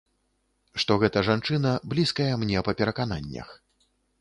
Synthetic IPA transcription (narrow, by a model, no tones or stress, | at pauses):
ʂt̪ɔɣɛt̪ɐʐant͡ʂɨn̪ɐblʲiskɐjɐmnʲɛpɐpʲɛɾɐkan̪anʲːɐ̰x